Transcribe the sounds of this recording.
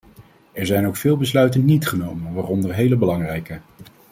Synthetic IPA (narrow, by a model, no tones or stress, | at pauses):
ɛɹzɛjnowkfɪːlˠbəslœɥtənnitχənowmənʋaːrɔndərɦejləbəlɑŋrɛjkə